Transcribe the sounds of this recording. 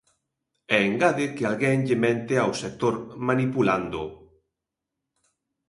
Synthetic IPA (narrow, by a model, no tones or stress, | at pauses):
ɛeŋɡaðɪkɪalɣɛŋʎɪmɛ̃nt̪eawsek̚t̪oɾmanipuland̪ʊ